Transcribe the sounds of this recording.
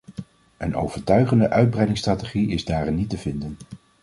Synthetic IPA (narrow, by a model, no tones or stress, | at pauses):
əno̰wv̥əɹtœɥχəndəʔœɥd̚brɛjdɪŋstraːteχiɪzdaːrɪnːitəvɪndən